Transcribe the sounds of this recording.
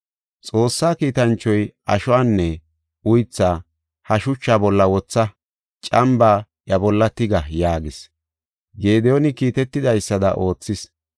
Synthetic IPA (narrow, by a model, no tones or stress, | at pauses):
t͡sʼo̞ːsːaːkiːt̪ɐnt͡ʃːɔjʔɐ̰ʃɔwaːnːɛ | ʊjt͡sːaː | hɐʃʊt͡ʃːaːbɔlːɐwɔt͡sːɐ | t͡ʃʼɐmbaː | ɐbɔlːɐt̪ɪɡɐjaːɡɪs | ɡe̞ːd̪ɛjonɪkiːt̪ɛt̪ːɪd̪ɐjsːɐd̪ɐ̰ʔo̞ːt͡sːɪs